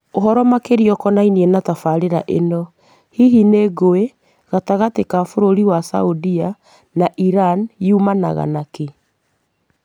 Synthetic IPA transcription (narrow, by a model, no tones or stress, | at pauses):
oɦɔɾɔmakeɾiɔkɔnainiɛnatafaɾeɾa̰ʔenɔ | hiɦineɡoe | ɣataɣatekafoɾoɾiwasa̰udia | naʔiɾanumana̰ɣa̰nake